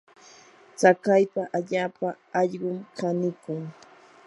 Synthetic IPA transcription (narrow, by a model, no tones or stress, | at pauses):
t͡sakajpaʔaʎaːpa | ɑʎɢʊmkanɪkʊŋ